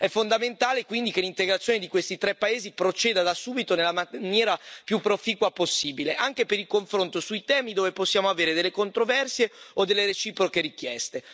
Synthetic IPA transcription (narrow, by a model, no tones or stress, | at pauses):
ɛfond̪ament̪aːlekwind̪ikelːint̪eɡɾat̪sːjoːned̪ikwest̪it̪ɾɛpːaeːzipɾot͡ʃeːd̪ad̪asuːbit̪onelːamanjɛːɾapjupːɾofiːkwaposːiːbileʔaŋk̟epeɾilkoɱfɾont̪osujt̪ɛːmid̪oːveposːjaːmoaveːɾed̪elːekont̪ɾovɛrsjeod̪elːeɾet͡ʃiːpɾokeɾikjɛst̪e